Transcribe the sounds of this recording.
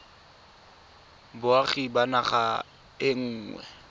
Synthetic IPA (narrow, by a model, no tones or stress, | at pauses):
bʊaχibanaχa | ɪŋ̩ːŋwɛ̰